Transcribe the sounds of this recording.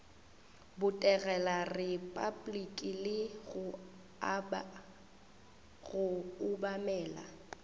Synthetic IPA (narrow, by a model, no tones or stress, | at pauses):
bʊtʼɛɣɛlarɪpʼablikʼilɪɣʊ | ɣʊʊbamɛːla̰